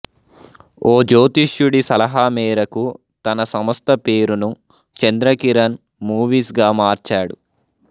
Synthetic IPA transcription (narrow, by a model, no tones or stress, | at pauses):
oːd͡ʒoːt̪iʃjuɽisɐlɐɦaːmɛːɾɐku | t̪ɐnɐsɐmɐst̪ɐpe̞ːɾunu | t͡ʃend̪ɾɐkiɾɐn | muːʋiːsɡaːmaːɾt͡ʃaːɽṵ